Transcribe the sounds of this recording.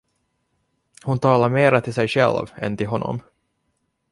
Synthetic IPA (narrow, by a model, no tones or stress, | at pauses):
hʊnt̪ʰɑːlaɾmeːɾat̪ʰɪlsɛjɕɛ̰lvɛ̰nt̪ɪlɦɔnːɔ̰m